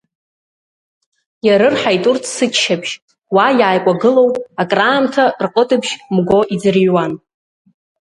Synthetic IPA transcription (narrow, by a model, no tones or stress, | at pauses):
jaɾɨrħajtʼurtʰsɨt͡ʃʃabʃ | wajaːjkʷʼaɡɨlo̞wtʼakʼraːmtʰarqʼətʼɨbʰʃmɡʷo̞ʔid͡zɨrɥwan